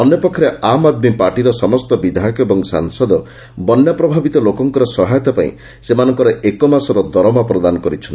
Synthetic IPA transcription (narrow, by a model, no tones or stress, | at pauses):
ɔnjɔpɔkʰːɔɾeamad̪̚mipaɾʈiɾɔsɔmɔst̪ɔbid̪ʱajɔkɔebɔŋsa̰ŋsɔd̪ɔ | bɔnjapɾɔbʱabit̪ɔlokɔŋkɔɾɔsɔɦajɔt̪apaḭ̃ | semanɔŋkɔɾɔekɔmasɔɾɔd̪ɔɾɔmapɾɔd̪anɔkɔɾit͡ʃʰɔnt̪i